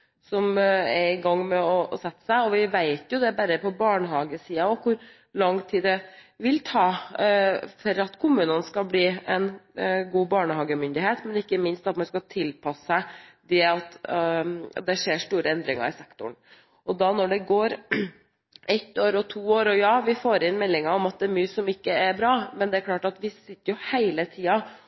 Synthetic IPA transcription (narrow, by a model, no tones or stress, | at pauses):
sɔmɛɾɪɡɑŋːmɛɔsɛt̪ːə̥sæɪɔʋɪʋæɪt̪jʊd̪ɛbæɾəpɔbɑːɳəɦɑːɡəsiːɑɔkʰʊɾ | lɑŋːt̪ʰiːd̪ɛʋɪlt̪ʰɑː | fɔɾɑt̪kʰʊmʉːnənskɑbliːɛnɡuːbɑːɳəɦɑːɡəmʏnd̪ɪheːt̪mɛnɪkːəmɪnst̪ɑt̪mɑnskɑt̪ʰɪlpʰɑsəsæɪd̪ɛɑt̪ | d̪ɛʂeːʂʈ̪uːɾəɛnd̪ɾɪŋɑ̰ɾɪsɛkt̪ʊɳ | ʔɔd̪ɑnɔɖɛɡoːɾ | ɛt̪ːoːɾɔt̪ʰuːoːɾɔjɑːʋɪfoːɾɪnmɛlːɪŋɑɔmɑt̪̚d̪ɛːɾmyːsɔmɪkːəɛɾbɾɑːmɛnd̪ɛæɾkʰlɑːʈɑt̪ʋɪsɪt̪ːəɾjʊhæɪlət̪ʰiːɑ